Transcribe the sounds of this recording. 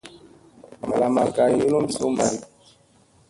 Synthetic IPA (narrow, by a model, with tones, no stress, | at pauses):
ma̰˨la˨ma˨ka˨jo˦lo˦m˦so˦ma˨ɾi˦